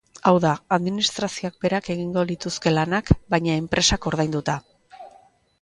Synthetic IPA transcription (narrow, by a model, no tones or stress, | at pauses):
awðaaðminist̪ɾasio̞ak̚be̞ɾake̞ɣ̞iŋɡo̞lit̪uske̞lanakbajɲae̞mpɾʔe̞sako̞ɾðajnd̪ut̪a